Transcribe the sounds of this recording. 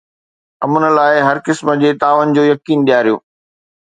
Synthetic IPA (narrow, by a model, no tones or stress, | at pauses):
ɐmənə̆laːɪɦɐɾkɪsmə̆d͡ʑeːt̪aːʋənɪ̆d͡ʑoːjɐkiːnɗ̪ijaːɾijo̰ː